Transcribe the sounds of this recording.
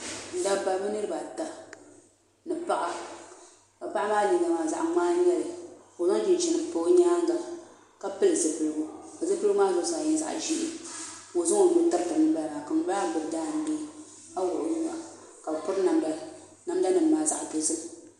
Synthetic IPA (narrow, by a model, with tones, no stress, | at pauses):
n̩˨da˦ba˨lbɨ˦nɨ˦ɾɨ˦ba˨ta˨ | nɨ˨pa˦ʔa˨ | ka˨pa˦ʔa˦maː˦li˨˦ɡa˨maː˨za̰˨ʔŋ͡maː˦ɲɛ˦lɨ˨o˨zo˦ŋ˦d͡ʒi˨n˨t͡ʃi˨nɨ˨po˨˦ɲaː˦ŋ˦ɡa˨ | ka˦pɨ˦lɨ˨zɨ˨pɨ˨lɨ˨ɡʊ˦ka˨zɨ˦pɨ˦lɨ˦ɡʊ˦maː˦zo˦saː˨jɛ˨˦za̰˨ʔʒi˦ʔɪ˦o˨zʊ˦o˨˦mɨ˦n˦ta˦ɾtɨ˨nɨ˨˦ba˦lba˨ka˨ŋ˨˦ba˦˨bɨ˨bdaː˦˨n̩˦deː˦ | a˦wʊ˨ʔʊ˨wu˦a˨ | ka˨bpʊ˦ɾna˨m˦ba˨l | na˦m˦da˦nɨ˨mː˨aː˨za̰˨ʔdo˨sɨ˦